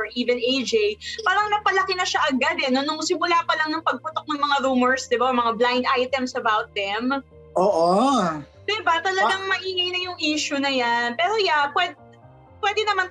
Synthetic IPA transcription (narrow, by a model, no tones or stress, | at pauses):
ɹʔiːvɛnejd͡ʒejpaːɾɐŋnɐpɐlɐkɪnɐʃaʔɐɡad̪ɛno̞nʊŋsɪmʊlaːpɐlɐŋnɐŋpɐɡ̚pʊt̪ok̚nɐŋmɐŋaɾuːmɛɹsd̪ɪbamɐŋablajnd̪ʔajt̪ɛmsɐbawt̪̚d̪ɛm | ʔoːʔo | d̪ɛbat̪ɐlɐɡaŋmɐʔiːŋɐjnɐjʊŋʔiːʃʊnɐjanpɛːɾojapwɛd̪ | pwɛd̪ɛnɐman